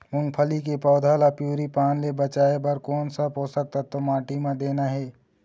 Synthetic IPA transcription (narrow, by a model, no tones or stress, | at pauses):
mʊ̃ŋɡ̚pʰəlikepɔːd̪ʱaːlapjuːɾipaːnlebət͡ʃaːebəɾkɔːnsabɦoːsək̚t̪at̪omaːʈimãd̪eːnaɦɛː